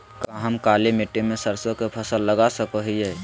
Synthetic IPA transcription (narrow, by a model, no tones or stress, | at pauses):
kaɦəmkalemeʈːemẽsəɾsokepʰəsəlːəɡasəkəɦiɦɛ